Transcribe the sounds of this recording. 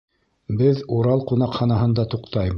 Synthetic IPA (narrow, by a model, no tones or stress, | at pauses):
bɘðuɾɑlˠqunɑqχɑnɑɦɤ̆nd̪ɑt̪uqt̪ɑjm